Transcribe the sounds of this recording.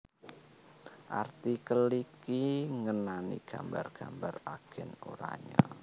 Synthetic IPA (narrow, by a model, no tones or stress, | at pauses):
ʔart̪ikəlikiŋənanḭɡ̥ambarɡ̥ambaraɡ̥ɛnoɾa̰ɲa